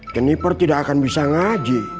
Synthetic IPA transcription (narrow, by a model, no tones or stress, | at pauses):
t͡ʃənipərt̪idaʔakanbisaŋad͡ʒi